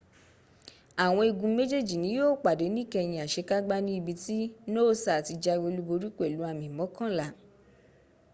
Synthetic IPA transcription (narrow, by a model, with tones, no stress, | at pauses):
a˨w̃ɔ̃˧i˧ɡũ˧me˦d͡ʒe˦˨d͡ʒi˨nĩ˨˦joː˦˨k͡pa˨de˨˦nĩ˦kɛ˧jĩ˧a˨ʃe˧˦ka˦ɡ͡ba˦nĩ˦i˧bi˧ti˦noː˦sa˨ti˧d͡ʒa˧we˧lu˧˦bo˧ɾi˦ke˦˨lu˨˦a˧mĩ˨mɔ̃˨˦kã˦la˨˦